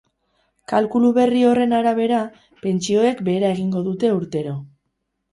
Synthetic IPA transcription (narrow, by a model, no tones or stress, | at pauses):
kalkuluβe̞rio̞re̞naɾaβ̞e̞ɾa | pe̞nt͡ʃio̞e̞kbe̞ːɾae̞ɣ̞iŋɡo̞ðut̪e̞uɾt̪e̞ɾo̞